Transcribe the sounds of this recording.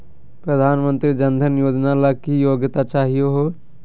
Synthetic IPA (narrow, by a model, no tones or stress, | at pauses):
pɾəd̪ʱaːnmə̃nt̪ɾid͡ʒənd̪ʱənjoːd͡ʒnalakijoːɡt̪at͡ʃaːɦijoɦo